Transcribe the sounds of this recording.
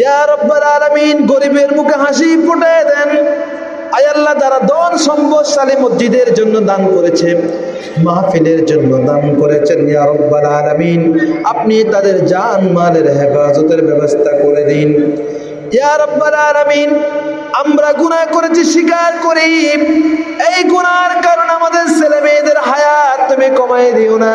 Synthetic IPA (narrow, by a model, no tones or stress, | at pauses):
jaɾɔbːalaːlaminɡoɾibeɾmukʰeɦãʃ̬ipɔʈaed̪ɛn | ajalːad̪aɾad̪ɔnsɔmboʃalemɔzid̪eɾd͡ʒonːod̪ankoɾet͡ʃʰe | maɦafileɾd͡ʒonːod̪ankoɾet͡ʃʰenjaːɾɔbːalaːlamiːnapnit̪ad̪eɾd͡ʒanmaleɾɦefaːzot̪eɾbɛbost̪ʰakoɾed̪in | jaɾɔbːalaːlamiːn | amɾaɡunakoɾet͡ʃʰiʃikaɾkoɾi | ejɡunaɾkaɾonamad̪eɾselemed̪eɾɦajat̪ːumikɔmajd̪iona